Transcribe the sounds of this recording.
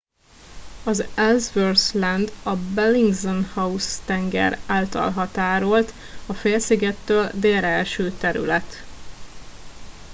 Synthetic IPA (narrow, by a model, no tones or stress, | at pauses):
ɒzɛlzvørslɛnd̪ɒbɛliŋɡzonhɒust̪ɛŋɡɛ̰ɾaːlt̪ɒ̰lɦɒt̪aːɾo̞lt̪ | ɒfeːlsiɡɛt̪ːøːld̪eːɾɛlʃøːt̪ɛɾy̰lɛt̪